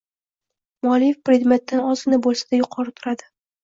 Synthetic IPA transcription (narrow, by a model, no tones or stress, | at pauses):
mɒlijefpɾʲe̞d̪me̞t̪ːanɒzɪnabolˠsad̪ajʊqʰɒɾɪt̪ʰʊɾad̪ɪ